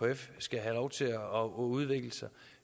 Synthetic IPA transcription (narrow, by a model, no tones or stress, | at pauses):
oefsɡ̥æɦælɒʊt͡sʰe̝ɒɔuð̞ˠʋeɡ̥ləsɑ̈